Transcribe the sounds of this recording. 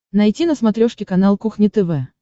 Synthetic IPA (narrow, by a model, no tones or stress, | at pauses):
nɐjtʲinəsmɐt̪ɾʲoʂkʲɪkɐnalˠkuxnʲɪt̪ɛvɛ